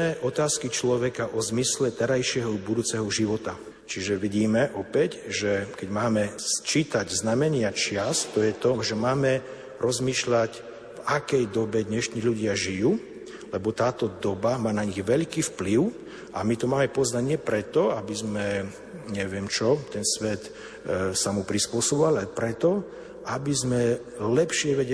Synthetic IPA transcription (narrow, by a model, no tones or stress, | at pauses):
ɛʔɔt̪aːskit͡ʃlɔʋɛkaʔɔzmislɛt̪ɛɾajʃɪɛɦɔbud̪uːt͡sɛɦɔʒiʋɔt̪a | t͡ʃiʒɛʋiɟiːmɛʔɔpɛcʒɛkɛɟmaːmɛt͡ʃiːt̪aɟznamɛɲɪat͡ʃɪast̪ːɔjɛt̪ɔʒɛmaːmɛ | ɾʔɔzmiːʃlac | vakɛjd̪ɔbɛd̪ɲɛʃɲiːʎuɟɪaʒijuː | lɛbɔt̪aːt̪ɔd̪ɔbamaːnaɲiɣʋɛʎkiːfpliʊ | ʔamit̪ɔmaːmɛpɔznaɟɲɪɛpɾɛt̪ɔabizmɛ | ɲɛʋɪɛmt͡ʃɔt̪ɛnsʋɛt̪ | samupɾispʊɔsɔbɔʋalalɛpɾɛt̪ɔ | ʔabizmɛ | lɛpʃɪɛʋɛɟɛ